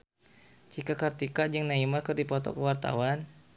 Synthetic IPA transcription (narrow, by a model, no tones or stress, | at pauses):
t͡ʃikakart̪ikad͡ʒəŋnaimakɨrdipɔt̪ɔ̰kəwart̪a̰wan